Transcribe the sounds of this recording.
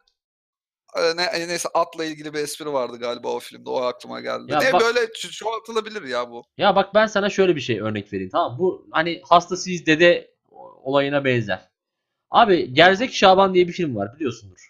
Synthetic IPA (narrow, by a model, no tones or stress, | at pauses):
ɛnɛnejsɛʔat̪lˠailʲɟilʲibiɛspiɾivaɾd̪ɯɡaːlʲiba̰ːofilʲimd̪ɛoaklˠɯma̰ɟæ̰lʲd̪ʲidj̪ianɛbbø̞jlʲɛt͡ʃʰt͡ʃʰoat̪ʰɯlˠabilʲiɾjaːbujabak̚bænsanaʃø̞jlʲɛbiʃejø̞ɾnɛcve̞ɾiːnt̪ʰamambuhanihast̪ʰasɯizd̪ed̪ɛ | o̞̰lˠajɯnabɛnzæ̰ɾ̥ | a̰ːbiɟæɾzɛcʃaːband̪ijɛbifilʲmva̰ɾbilʲijo̞sund̪uɾ̥